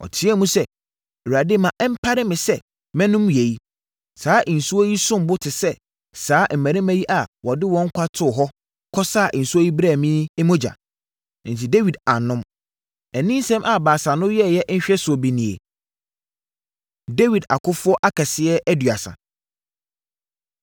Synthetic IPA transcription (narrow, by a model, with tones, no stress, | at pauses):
ɔ̰˨tʰɪ˦ɛ˦mũ˦sɛ˦˨ | u˨a˨deː˦mã˨ʔm̩˦pʰa˦ɾɪ˦mɪ̃˨sɛ˦˨ | mɛ̃˦nʊ̃˦mje˨ji˦ | saː˨˦ʔi˨n̩˨su˦ɔ˦ji˦sʊ̃˦m˦bʊ˦tʰɪ˨sɛ˦ | saː˨˦m̩˨mæ̃˨ɾɪ̃˦mæ̃˦ji˦ʔa˨wɔ˨dɪ˦wɔ̃˦ŋ̩˦kʷʰa˦tʰʊ˦˨ɦɔ˦ | kʰɔ˦sa˦˨ʔɪ˨n̩˨su˦o˦ji˦bɾa˦˨mĩ˦ɛ˦mõ˦d͡ʑa̰˨ | n̩˨tʰi˨de˦wi˨da˨nʊ̃˦m | ɛ˨nĩ˦n˦sɛ̃˦mʔa˨baː˨sã˨nʊ̃˦jɛ˦˨jɛ˦ʔn̩˦ɕᶣɛ˦sʊ˨ɔ˨bi˨nĩ˨ḛ˨ | de˦wi˨da̰˨kʰʊ˦fʊ˦ɔ˦ʔa˦kʰa˨sɪ˦ɛ˦ʔæ˦dɥa̰˨sã̰˨